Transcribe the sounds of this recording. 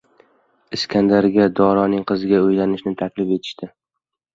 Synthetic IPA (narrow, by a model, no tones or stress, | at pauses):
ɪskʲʰand̪aɾɡʲad̪ɒɾɒnɪŋqʰɨzɪɡʲaojlanɪʃnɪt̪ʰakʲlɪfe̞t̪ʰɪ̥ʃt̪ɪ